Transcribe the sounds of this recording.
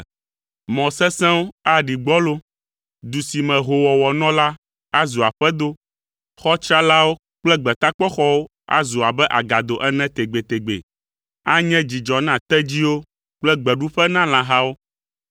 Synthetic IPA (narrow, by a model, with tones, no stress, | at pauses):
mɔ̃˨sɛ̃˦sɛ̃˦wo˦a˦˨ɖi˨ɡ͡bɔ˦lo˦ | d̪u˨si˨mɛ̃˨ɦo˨wɔ˨wɔ˨nɔ̃˦la˦ | a˦zu˨a˨ɸɛ˦d̪o˦ | xɔ˦t͡ʃɾa˦la˦wo˦ | k͡plɛ˦ɡ͡bɛ˨t̪a˦k͡pɔ˦xɔ˦wo˦ | a̰˦zu˨a˨bɛ˦ʔa˨ɡa˨d̪o˨ʔɛ˦nɛ̃˦t̪e˨ɡ͡be˨t̪e˨ɡ͡bḛ˨ | a˦ɲɛ̃˦d͡ʑi˨d͡ʒɔ˨nã˨t̪ɛ˦d͡ʑi˦wo˦ | k͡plɛ˦ɡ͡bɛ˨ɖu˦ɸɛ˦nã˦lã˦ɦa˦wo˦